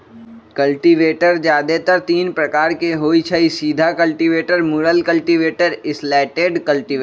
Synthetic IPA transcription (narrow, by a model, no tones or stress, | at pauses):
kɐlʈiʋeːʈəɾd͡ʒjaːd̪et̪əɾt̪iːnpɾɐkaːɾkeɦoːit͡ʃʰɛisiːd̪ʱakɐlʈiʋeːʈəɾmuɾəlkɐlʈiʋeːʈəɾɪslɛːʈeːɖkɐlʈiʋeːɾ